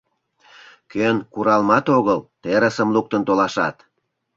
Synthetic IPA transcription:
kønkuɾɑlmɑt̪oɣəlt̪eɾəsəmluk̚t̪ənt̪olɑʃɑt̪

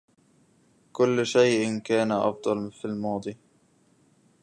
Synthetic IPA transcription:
kʊlːʃajʔɪnkaːnaʔɑ̰fd̪ˤɑlfilmɑːd̪ˤi

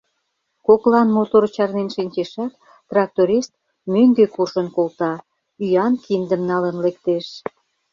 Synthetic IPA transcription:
koklɑnmot̪ort͡ɕɑrnenʃinʲt͡ɕeʃɑk̪ | t̪rɑk̚t̪oɾʲist̪̚ | møŋɡøkurʃənkolt̪ɑ | yjɑnkind̪ə̆mnɑlənlek̚t̪eʃ

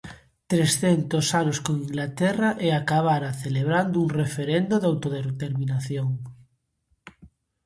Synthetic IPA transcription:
t̪ɾesθent̪osanoskõŋiŋɡlat̪ɛraʔeakaβ̞aɾaθeleβɾand̪ʊuŋrefeɾend̪oðawt̪oðeɾt̪eɾmĩnaθjoŋ

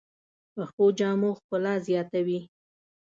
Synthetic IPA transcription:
pəxod͡ʒɑmoxkəlɑzjɑt̪awi

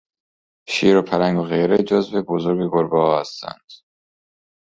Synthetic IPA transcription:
ʃiːɾopʰæɾæŋɡoɣejɾed͡ʒozbebozoɾɡeɡoɾbɒːɒːhæst̪æ̰nd̪̥

